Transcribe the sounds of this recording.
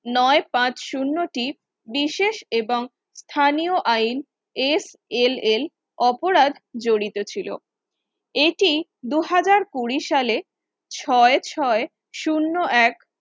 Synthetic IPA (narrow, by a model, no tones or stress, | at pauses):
nɔepãt͡ɕʃunːoʈi | biʃeʃeboŋ | st̪ʰanioʔain | es | elel | ɔpoɾad̪ʱd͡ʑoɽit̪ot͡ɕʰilo̰ | eʈid̪uɦad͡ʑaɾkuɾiʃale | t͡ɕʰɔet͡ɕʰɔe | ʃunːoʔɛk